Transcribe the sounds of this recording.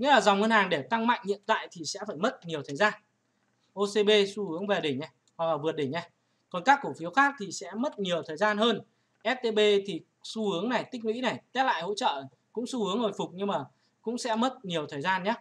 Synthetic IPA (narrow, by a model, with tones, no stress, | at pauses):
ŋḭ˧˥laː˨˩za˨˩wŋ͡mŋə˧nhaː˨˩ŋɗe˧˩t̪a˧ŋma̰˧˨jŋ̟ɲḭ˧˨ənt̪a̰ː˧˨jt̪ʰi˨˩sɛ̰˧˥faː˧˩jmə˦˥t̚ɲi˨˩əwt̪ʰəː˨˩jzaː˧n | ʔo˧se˧ɓe˧su˧hɨ˨˦əŋve˨˩ɗi˧˩ŋɲɛ˧˩ | ha˨˩k̚laː˨˩vɨ˨˩ət̚ɗi˧˩ɲɲɛ˧˩ | kɔ˨˩nkaː˦˥kːu˧˩əfi˨˦əwxaː˦˥k̚t̪ʰi˨˩sɛ̰˧˥mə˦˥t̚ɲi˨˩əwt̪ʰəː˨˩jzaː˧nɦəː˧n | ʔɛ˦˥t̚t̪e˧ɓe˧t̪ʰi˨˩ | su˧hɨ˨˦əŋna˨˩jt̪ï˦˥k̟̚wḭ˧˥na˨˩jt̪ɛ˦˥t̚la̰ː˧˨jho̰˧˥t͡ɕə̰ː˧˨ | kʊ̰˧˥ŋ͡msu˧hɨ˨˦əŋho˨˩jfʊ˨˩k͡p̚ɲɨ˧ŋmaː˨˩ | kʊ̰˧˥ŋ͡msɛ̰˧˥mə˦˥t̚ɲi˨˩əwt̪ʰəː˨˩jzaː˧nɲa˦˥